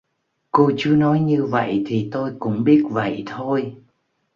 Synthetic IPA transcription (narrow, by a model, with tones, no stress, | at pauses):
ko˧t͡ɕɨ˨˦ənɔ˨˦jɲɨ˧və̰˧˨jt̪ʰi˨˩t̪o˧jkʊ̰˧˥ŋ͡mɓi˦˥ət̚və̰˧˨jt̪ʰo˧j